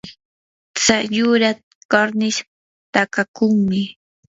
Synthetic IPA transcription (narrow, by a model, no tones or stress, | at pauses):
t͡sajʊɾa | kaɾnɪʃ | t̪akakʊŋmɪ